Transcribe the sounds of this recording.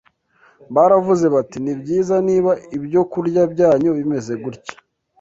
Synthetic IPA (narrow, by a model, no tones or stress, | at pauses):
βaɾavuze̞βatinibɟiːzaniːβaibjo̞kuɾɟabɟaːɲo̞βime̞ze̞ɡuɾcḁ